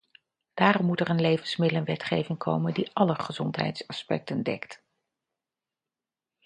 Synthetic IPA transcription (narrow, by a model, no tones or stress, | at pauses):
d̥aːɾɔmːutɛrənlejvənsmɪdələnʋɛtχejvɪŋkʰo̰wməndiʔɑləχəzɔntɦɛ̰jtsɑspɛ̰k̚təndɛ̰kt